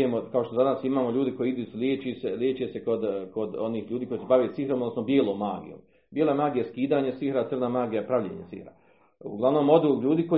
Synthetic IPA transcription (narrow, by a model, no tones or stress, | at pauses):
emokao̞ʃt̪ozadnaːsimaːmoʎuːd̪iko̞jiid̪uːsuljeːt͡ʃiseljeːt͡ʃese̞ko̞d̪ko̞d̪o̞niːhʎuːd̪iːkoisebaʋit̪sihɾomod̪nosnobjeːlˠoːmːaːɡḭjo̰m | b̥ʲjeːloemaːɡijaskiːd̪aːɲesiɦɾasr̩namaːɡijapɾaʋʎḛːɲesḭhɾa̰ | ṵɡlˠaʋno̞ːmo̞d̪ulʎuːd̪iko